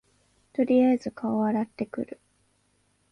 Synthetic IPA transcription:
t̪o̞ɾʲijazɨkaoβaɾat̪ːe̞kɯ̟̰ɾɯ̟

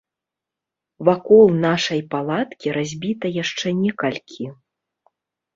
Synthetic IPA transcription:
vakɔlˠnaʂɐjpalˠat̪kʲiɾazʲbʲit̪ɐjaʂt͡ʂɛnʲɛkɐlʲkʲʰi

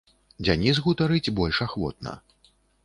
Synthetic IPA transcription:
d͡zʲanʲizɣut̪aɾɨd͡zʲbɔlʲʂaxvɔ̰t̪̚nɐ̰

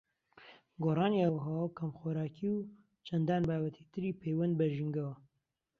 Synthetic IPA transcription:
ɡoːrˤɑːniawɦɐwawkʰɐmxoːɾaːkʰiw | t͡ʃʰɐnd̪aːnbaːbɐt̪ʰiːt̪ɨɾiːpʰejwɐnd̪̚bɐʒiŋɡɐwɐ

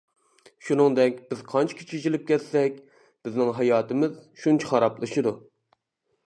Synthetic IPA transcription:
ʃunɨŋd̪ɛkʲb̥ɪz̥qʰɑnt͡ʃʰi̥kʲʰi̥t͡ʃʰid͡ʒilɪp̚kʲʰɛt̪sɛk̚ʲ | b̥ɪznɪŋɦɑjɑːt̪ɨmɪzʃunt͡ʃʰɪχɑɾɑplˠɨʃɨd̪u

